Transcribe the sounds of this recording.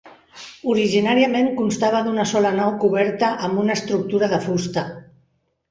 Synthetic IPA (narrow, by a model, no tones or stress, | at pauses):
uɾiʒinaɾiəmeŋkunst̪aβəðunəsɔlənawkuβɛɾt̪əʔəmbunəst̪ɾuk̚t̪uɾəðəfust̪ə